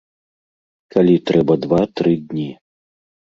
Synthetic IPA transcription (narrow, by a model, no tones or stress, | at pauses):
kalʲit̪ɾɛbɐd̪vat̪ɾɨd̪ʲnʲi